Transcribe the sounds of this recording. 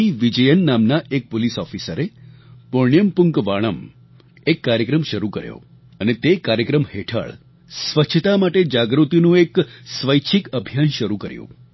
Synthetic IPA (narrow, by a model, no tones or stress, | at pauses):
iʋid͡ʒəjənːamnaʔek̚polisɔfisəɾepoɳijəmpʊŋkʋaɭ̃əm | ekːaɾjəkɾəmʃəɾukəɾjo̰ | ənet̪ekaɾjəkɾəmheʈʰə̰ɭ | sʋəʃʰət̪amaʈed͡ʒaɡɾut̪inũeksʋəjt͡ʃʰikəbʱjanʃəɾukəɾjṵ̃